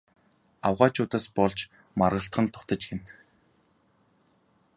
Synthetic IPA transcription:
awʁaːt͡ɕʰʊːt̪aːspɔɮt͡ɕ | marʁə̆ɬt̪ɢə̆nt̪ʰʊt̪ə̆t͡ɕɡen

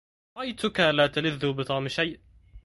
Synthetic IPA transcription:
ɾˤʔajt̪ʊkalaːt̪alɪðːʊbɪt̪ˤɑːmʃajʔ

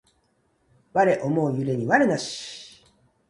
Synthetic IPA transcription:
βaɾe̞ʔomoːjɯɾe̞ɲ̟iβaɾenaɕi̥

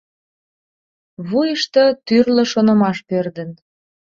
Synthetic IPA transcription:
βujəʃt̪ət̪yrlə̆ʃonə̆mɑʃpørd̪ə̆n

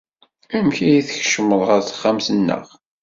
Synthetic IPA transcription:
æmçijiθəçʃəmːəðˤʁəɾθə̥χːamsənːə̰ʁ

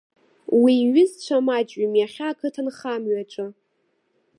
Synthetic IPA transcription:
wiɥʏzt͡ɕʷʰamat͡ʃʼɥimjaχʲaːkʰɨtʰanχamɥaʈ͡ʂʷʼɨ

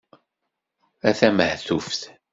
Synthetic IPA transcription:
æθæməhθufθ

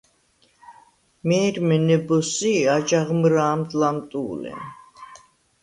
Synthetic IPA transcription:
mɛːɾmɛnɛbɔsiad͡ʒaʁmɾaːmt̪ʼlamt̪ʼuːlɛ̰n

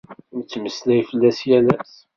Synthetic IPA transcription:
mt͡sːməslæjfəlːæsjælæs

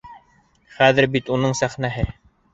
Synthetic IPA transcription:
χæðɘɾbit̪unɤɴsæχnæɦɘ

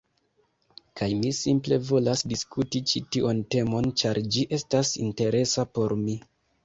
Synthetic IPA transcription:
kajmisimple̞vo̞lasdiskʰutit͡ʃitiʔonte̞mo̞nt͡ʃaɾd͡ʒiʔe̞stasḭnte̞ɾe̞sapo̞ɾmi

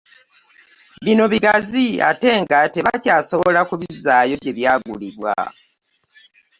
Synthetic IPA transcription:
βino̞βiɡazia̰te̞ŋɡate̞βacaːso̞βolakuβizaːjo̞βje̞βjaːɡuliβwa̰

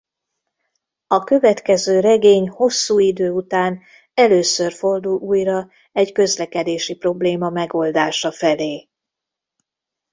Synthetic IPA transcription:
ɒkø̞vɛt̪kɛzøːɾɛɡeːɲho̞sːuːid̪øːut̪aːn | ɛløːsø̞rfo̞rd̪ulʔuːjrɒ | ɛɟkø̞zlɛkɛd̪eːʃipro̞bleːmɒmɛɡo̞ld̪aːʃɒfɛleː

